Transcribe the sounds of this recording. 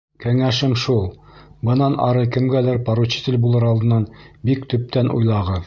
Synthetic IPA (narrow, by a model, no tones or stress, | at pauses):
kæŋæʃɘmʃulˠbɤ̆nɑnɑ̰ɾɤkɘ̆mɡælɘɾpɑɾut͡ɕɤ̥t̪ɘlʲbulˠɤɾɑlˠd̪ɤ̆nːɑnbikt̪ɵ̆p̚t̪ænʔṵjlˠɑʁɤ